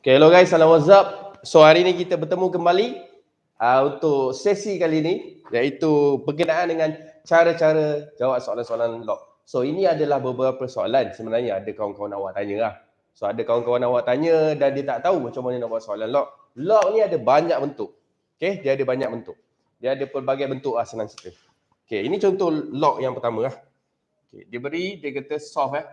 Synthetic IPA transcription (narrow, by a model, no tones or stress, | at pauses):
okeloɡajsalawazap̚soaɾinik̬it̪əbərt̪əmũkəmbali | əunt̪ʊʔsesikalini | jait̪ubərk̬ənaʔandəŋant͡ʃaɾət͡ʃaɾəd͡ʒawaʔ̚soalansoalanlɔʔ̚ | soiniadalahbəbəɾapəsoa̰lansəmənarɲəadakawankawanawa̰ʔt̪aɲəah | soadakawʊnkawanawaʔt̪aɲədandiət̪aʔt̪aumat͡ʃamanənaʔbuaʔsoalanlɔʔ̚ | lɔk̚niadəbaɲak̚bənt̪ʊʔ̚ | okediəadəbaɲak̚bənt̪ʊʔ | diəadəpərbaɡajbənt̪ʊʔasanansə̥t̪ə | okeinit͡ʃɔnt̪ɔhlɔk̚jaŋpərt̪amə̃ah | okḛdiəbəɾidəkat̪əsɔfa